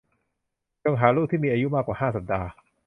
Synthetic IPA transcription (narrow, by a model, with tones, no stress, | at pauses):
t͡ɕo˧ŋɦaː˩˦ɾluː˥˩t̚t̪iː˥˩miː˧ʔa˧ju˦˥maː˥˩kwaː˨˩haː˥˩sa˨˩p̚daː˧